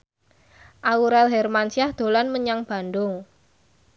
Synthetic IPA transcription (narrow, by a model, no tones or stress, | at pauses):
ʔauɾɛlɦɛrmansiahd̪̥o̤lanməɲaŋb̥a̤ndʊŋ